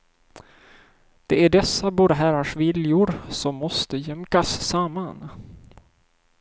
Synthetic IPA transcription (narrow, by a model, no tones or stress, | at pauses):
d̪̥ɛæɖɛsːabuːɾɦæɾaʂvɪljʊɾsɔmːɔst̪əjɛmkasːamːan